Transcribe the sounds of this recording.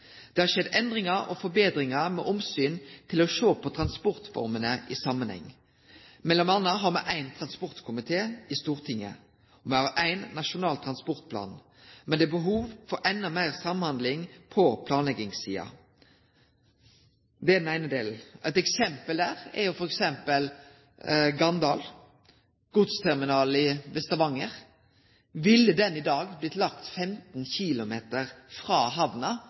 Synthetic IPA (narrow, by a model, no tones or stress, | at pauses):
d̪̥ɛhɑʁʃɛd̪ɛnd̪ʁɪŋɑɔ̰fɔbeːd̪ɾɪŋɑmɛʔɔmsyːnt̪ʰɪlɔʃoːpʰɔt̪ʰʁɑnspɔʁt̪fɔ̰ʁmənəʔisɑmːənhɛ̰ŋː | mɛlːɔmɑnːəɦɑɾmɛʔæɪnt̪ʰʁɑnspɔʁt̪kʰʊmɪt̪ʰeːɪst̪uːʁt̪ʰɪŋːə̰ | ɔmɛhɑʁæɪnːɑʃʊnɑːlt̪ʰʁɑnspɔʁt̪̚pʰlɑ̰ːn | mɛnd̪ɛbəɦuːʋfɔɾʔɛnːɑmæɪʁsɑmnhɑnd̪lɪŋpʰɔpʰlɑːnlɛɡɪŋsḭːɑ̰ | d̪ɛɛɾd̪n̩æɪnəd̪eːln̩æ̰ɪt̪ɛksɛmpəld̪æːʁɛ̰ɾjʊfɔɾɛksɛmpəl | ɡɑnd̪ɑːl | ɡ̥ʊt̪st̪ʰɛʁmɪnɑːlɪʋɛst̪ɑʋɑŋːəʁ | ʋɪlːəd̪ɛnɪd̪ɑːɡblɪt̪lɑkt̪fɛmt̪n̩çɪlʊmeːt̪əʁfɾɑːɦɑʋnɑ